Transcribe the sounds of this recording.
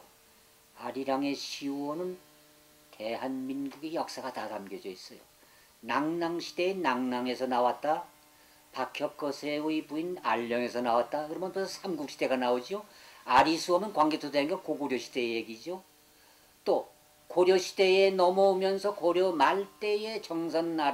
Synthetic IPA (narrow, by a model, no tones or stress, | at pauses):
aɾiɾaŋe̞ɕʰiʌnɯn | te̞ɦanminɡuɡijʌk̚s͈aɡatatamɡjʌd͡ʑʌis͈ʌjo̰ | naŋnaŋɕʰide̞enaŋnaŋe̞sʰʌnawat̚t͈a | pakʰjʌk͈ʌsʰeuipuinaʎːʌŋe̞sʰʌnawat̚t͈akɯɾʌmʌntosʰamɡuk̚ɕʰide̞ɡanaod͡ʑioaɾisʰuʌmɯnkwaŋɡetʰodainɡakoɡoɾjʌɕʰid̥e̞ejeɡid͡ʑo | t͈o | koɾjʌɕʰi̥de̞enʌmʌumjʌnsʰʌkoɾjʌmaɭt͈e̞e̞t͡ɕʌŋsʰʌnːa